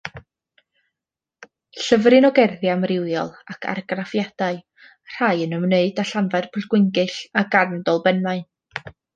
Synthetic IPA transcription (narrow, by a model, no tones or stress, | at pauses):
ɬəvrɨnɔɡɛrðjamrɪwjɔlˠakʰa̰rɡrafjad̥aɨ | r̥ajənəmneɨdaɬanvarpʰʊɬɡ̥wɪŋɡɨɬaɡarndɔlˠbɛnmaɨn